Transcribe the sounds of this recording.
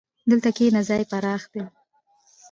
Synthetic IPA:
d̪əlt̪akenazɑjpaɾɑxd̪e

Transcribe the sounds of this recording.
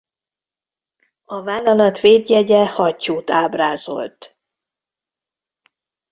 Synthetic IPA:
ɒvaːlːɒnɒt̪veːd̪jɛɟɛhɒcːuːt̪aːbraːzo̞̰lt̪

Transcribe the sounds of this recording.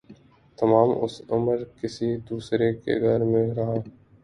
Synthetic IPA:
t̪ɐmaːmʊ̰sʊməɾkɪsid̪uːsɾekḛɡʱəɾmɪ̃ɾɐɦaː

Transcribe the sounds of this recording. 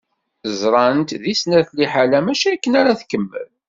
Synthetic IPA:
zɾˤɑnt̪ðisnæθliħalæmæʃækːənaɾaθkːəmːə̰l

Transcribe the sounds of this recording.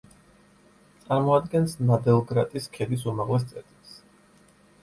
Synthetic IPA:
t̪sʼaɾmɔad̪ɡɛnsnad̪ɛlˠɡɾat̪ʼiskʰɛd̪is̬umaʁlɛs̬t̪sʼɛɾt̪ʰʼilˠs

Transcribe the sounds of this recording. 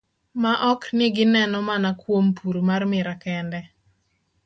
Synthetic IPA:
maʔɔknɪɡɪnɛnɔmanakwompʰuɾomarmɪɾakɛndɛ

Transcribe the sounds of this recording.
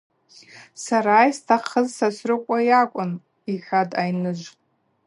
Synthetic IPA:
saɾaːjstʰaχəzsasʷrɨkʷʼajakʷʼʊn | iħʲadʼajnɨʒʷ

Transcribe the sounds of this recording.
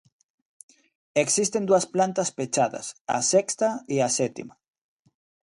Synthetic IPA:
eksist̪end̪uasplant̪aspet͡ʃaða̰sa̰sekst̪aiaset̪ḭma

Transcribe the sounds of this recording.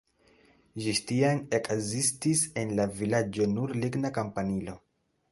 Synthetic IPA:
ʒistianekʰzistise̞nlavilad͡ʒo̞nuɾliɡnakampanilo̞

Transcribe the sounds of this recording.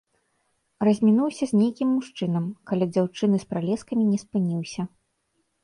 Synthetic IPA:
rɐzʲmʲinuwsʲɐzʲnʲejkʲimːuʂt͡ʂɨn̪ɐmkalʲɛd͡zʲawt͡ʂɨnɨspɾalʲɛskɐmʲinʲɛspɨnʲiwsʲɐ

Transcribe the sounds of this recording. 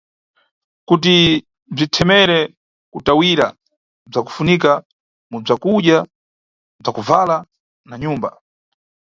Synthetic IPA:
kut̬i | b͡ʐitʰɛmɛɾɛ | kutawiɾa | b͡ʐaku̥funika | mub͡ʐakuɗja | b͡ʐakuvala | naɲuːmba

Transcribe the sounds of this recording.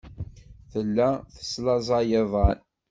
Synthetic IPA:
θəlːæθə̥slɑzˤɑjəðˤɑn

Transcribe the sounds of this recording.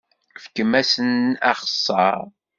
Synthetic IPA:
fkəmæsənæ̰χə̥sˤːɑɾˤ

